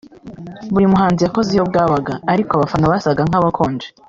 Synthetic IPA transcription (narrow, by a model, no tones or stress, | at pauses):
βuɾimuɦaːnzijako̞zijo̞b̚ɡaːβaɡaːɾikoaβafanoβasaɡaŋ̥aβakʰoːnd͡ʒe